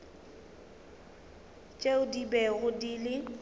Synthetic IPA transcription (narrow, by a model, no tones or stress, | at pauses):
t͡ʃʼeʊdibɛɣʊdilɪ